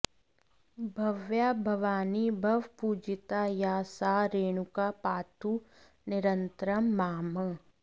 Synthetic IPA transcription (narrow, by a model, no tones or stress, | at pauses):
bʱɐʋjabʱɐʋaːnibʱɐʋpuːd͡ʒɪt̪ajaːsaːɾeːɽ̃ukapaːt̪ʰu | nɪɾənt̪ɾəmːaːmə